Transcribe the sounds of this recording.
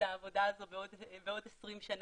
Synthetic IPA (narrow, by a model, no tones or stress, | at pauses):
aːvo̞d̪aːzo̞beodbeo̞d̪esʁimʃan